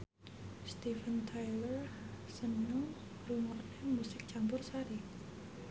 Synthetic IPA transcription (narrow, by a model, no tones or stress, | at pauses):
st̪ifənt̪ʰajlərsənːɔŋ | rumɔʔnɛmusɪk̚t͡ɕambʊrsaɾi